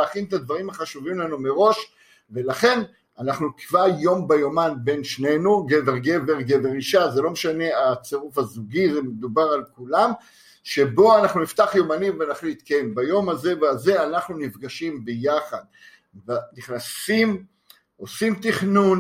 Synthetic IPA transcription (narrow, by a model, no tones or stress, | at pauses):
aχinet̪ad̪vaʁimaχaʃuvimlanume̞ʁo̞ʃ | ve̞laχe̞n | anaχnukvaʁjo̞mbajomanbe̞nʃne̞nuɡeveʁɡe̞veʁɡeve̞ʁiʃazelo̞meʃane̞at͡seʁufhazuɡiʁmed̪ubaʁalkulam | ʃe̞bo̞anaχnunift̪aχjomanimvenaχlit̪kembajo̞maze̞veaze̞anaχnunifɡaʃimbejaχad̪̚ | veniχnasim | ʔo̞simt̪iχnun